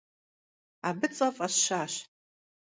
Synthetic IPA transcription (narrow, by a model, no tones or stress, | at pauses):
abɨt͡sʼapʼaʃʃaʃ